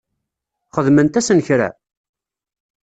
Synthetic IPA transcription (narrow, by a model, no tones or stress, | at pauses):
χəðmənt̪æsənçɾæ̰